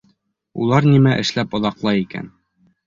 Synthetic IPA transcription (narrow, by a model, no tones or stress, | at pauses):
ṵlˠɑɾnimæʔɘ̆ʃlæpŏðɑqlˠɑjikæ̰n